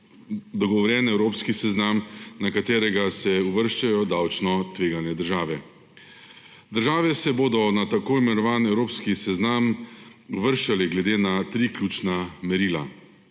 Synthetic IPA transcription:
d̪ɔɡɔʋɔɾjɛːnɛwɾoːpskisɛznamnakat̪eːɾɛɡasɛuʋəɾʃt͡ʃajɔd̪awt͡ʃnɔt̪ʋeːɡanjɛd̪əɾʒaːʋɛ | d̪əɾʒaːʋɛsɛboːd̪ɔnat̪akoːimɛnɔʋaːnɛwɾoːpskisɛznaːmuʋəɾʃt͡ʃalɛɡlɛd̪eːnat̪ɾiːklʲuːt͡ʃnamɛɾiːla̰

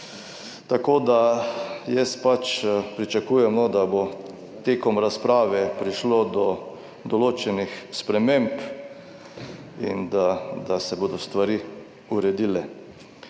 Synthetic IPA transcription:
t̪akoːd̪ajɛspat͡ʃpɾit͡ʃakuːjɛmnɔd̪abo | t̪eːkɔmɾaspɾaːʋɛpɾiʃlod̪ɔ | d̪ɔloːt͡ʃɛnixspɾɛmẽmp | ind̪ad̪asɛboːd̪ɔst̪ʋaɾi | uɾɛd̪iːlɛ

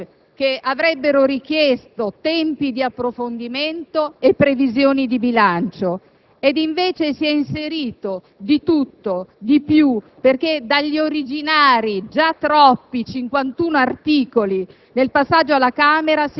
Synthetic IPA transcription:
k̟eavɾɛbːeɾoɾik̟jɛst̪ot̪ɛmpid̪iapːɾofond̪iment̪oepːɾevizjoːnid̪ibilant͡ʃo | ed̪iɱveːt͡ʃesiɛinseɾiːt̪o | d̪it̪ut̪ːod̪ipju | perked̪aʎːioɾid͡ʒinaːɾid͡ʒat̪ːɾɔpːit͡ʃiŋkwant̪uːnoart̪iːkoli | nelpasːad͡ʒoalːakaːmeɾas

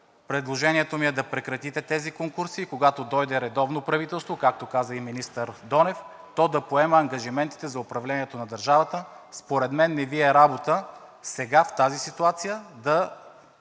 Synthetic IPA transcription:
pɾɛd̪lˠoʒɛniɛt̪omiɛd̪ɐpɾɛkɾɐt̪it̪ɛt̪ɛzikoŋkuɾsikoɡat̪od̪ɔjd̪ɛɾɛd̪ɔvnopɾɐvit̪ɛlˠst̪vokak̚t̪okazəiminist̪əɾd̪ɔnɛf | t̪ɔd̪ɐpoɛmɐɐŋɡɐʒimɛnt̪i̥t̪ɛzɐʊpɾɐvlɛniɛt̪onɐd̪ɐɾʒavət̪ə | spoɾɛd̪mɛnːɛviɛɾabot̪ə | sɛɡaft̪azisit̪uat̪sijəd̪ɐ

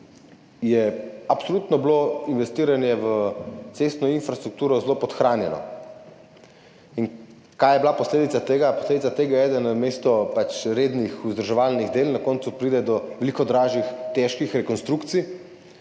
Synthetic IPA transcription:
jɛapsolut̪nɔbloinʋɛst̪iːɾanjɛʋət̪sest̪nɔinfɾast̪ɾuk̚t̪uːɾɔzlopɔt̪xɾaːnjɛnɔ̰ | in | kajɛblapɔsleːd̪it̪at̪eːɡapɔsleːd̪it̪t͡s̪at̪eːɡajɛɛːd̪ənəmeːst̪ɔpat͡ʃɾeːd̪nixuzd̪əɾʒɛʋaːlniɣd̪eːlnakɔnt̪supɾiːd̪ɛd̪ɔʋɛlikɔd̪ɾaːʒixt̪ɛʃkixɾɛkɔnst̪ɾukt̪si

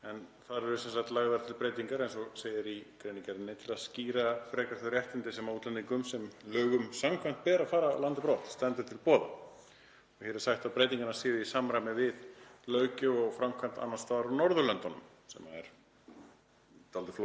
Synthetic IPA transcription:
ɛnθaɾɛɾʏsɛnsahkt̪laːɣðaɾt̪ʰɪlpɾejt̪iŋkaɾejnsɔseːjɪɾikɾejniŋkaɾɪnːejt̪ʰɪlaðsciːɾafɾɛːkaɾ̥θœɾɛht̪ɪnt̪ɪsɛmaut̪lɛniŋkʏmsɛmlœːɣʏmsamkʰvajn̥t̪pɛːɾafaːɾaa̰lant̪ɪpɾɔːt̪st̪ɛnt̪ʏɾ̥t̪ʰɪlpɔːða̰ | ɔçɛɾɛ̥sajht̪awpɾeːjt̪iŋkanasɪːðɪisamɾajmnɪvɪðlœːɥcʏɔɣfɾamkʰvajnt̪a̰nːast̪aːðaɾawnɔɾðʏlœnt̪anʏ̰m | sɛ̰ma̰ɛ̰ɾ̥ | t̪alt̪ɪflo

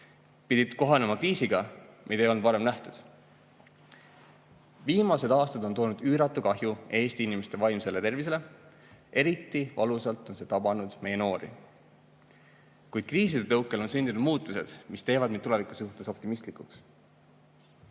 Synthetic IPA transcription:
pid̪it̪ko̞ɦɑnemɑkriːsiɡ̥ɑmʔid̪̥ɑejonvɑɾemnæht̪ud̪̥ | viːmɑse̞d̪ɑːst̪ɑd̪ont̪o̞ːnud̪yːɾɑt̪ːˑukɑɦjue̞ːst̪iinimest̪e̞vɑjmse̞le̞t̪e̞rvis̬e̞le̞ | ʔe̞ɾit̪ˑːivɑlusɑlt̪ˑo̞nset̪ɑb̥ɑnud̪̥me̞je̞no̞ːɾḭ | kujd̪̥̚kriːs̬ilet̪ɤwkːˑe̞lo̞nsynd̪̥inud̪̥muːt̪ːˑuse̞̰d̪̥mist̪e̞ːvɑd̪mitule̞vikˑu̥suht̪e̞so̞p̚t̪imist̪likˑuks

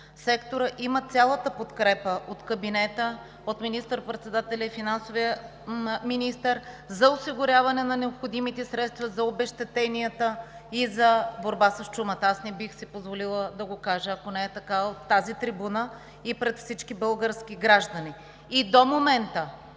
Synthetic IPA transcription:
sɛkt̪oɾəʔimət̪sʲalˠət̪əpot̪kɾɛpəʔot̪kəbinɛt̪ə | ot̪minist̪əɾpɾɛt̪sɛd̪at̪ɛlʲəifinansoviə | minist̪əɾ | zɐosiɡʊɾʲjavɐnɛnɐnɛopxod̪imit̪ɛsɾɛt̪st̪vɐzɐobɛʃt̪ɛt̪ɛniət̪ə | izɐboɾbasɐst͡ʃumət̪əasnɛbixsipozvolilˠəd̪ɐɡokaʒəɐkonɛːt̪ɐkavot̪ːazit̪ɾibunə | ipɾɛt̪fsit͡ʃkibəlˠɡəɾsk̟iɡɾaʒd̪ɐni | id̪omomɛnt̪ə

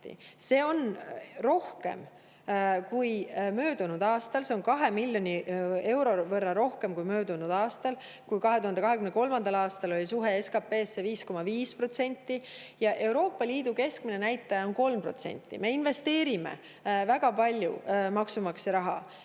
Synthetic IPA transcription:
ḭse̞ːo̞nro̞hke̞̰m | kujmø̞ːd̪̥unud̪ɑːst̪ɑlse̞o̞nkɑɦe̞milʲːjo̞nʲie̞wɾo̞vɤrːɑɾo̞hke̞mkujmø̞ːd̪unud̪̥ɑːst̪ɑl | kujkɑɦe̞t̪uhɑnd̪ekɑɦekymneko̞lmɑnd̪̥ɑlɑːst̪ɑlo̞lʲisuɦe̞eskɑpe̞ːsːeviːsko̞mɑviːspro̞t̪se̞nʲt̪ˑːijɑʔe̞uɾo̞ːpːˑɑlʲiːd̪̥uke̞sk̚minenæjt̪ːˑɑjɑonko̞lmpro̞̰t̪se̞̰nʲt̪ːḭme̞inve̞st̪e̞ːɾimḛ | væɡɑpɑlʲjṵmɑksumɑksɑɾɑɦɑ

